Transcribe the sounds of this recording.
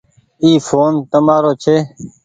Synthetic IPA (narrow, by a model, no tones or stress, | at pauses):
iːfʰoːnt̪əmaːɾoːt͡ʃʰeː